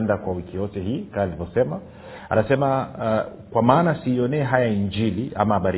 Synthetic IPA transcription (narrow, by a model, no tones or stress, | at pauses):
ndakwawikijɔtɛɦiːkaalivɔsɛma | a̰nasɛma | kwamaːnasiːɔnɛːɦajaiɲd͡ʒiliʔa̰maaɓaɾi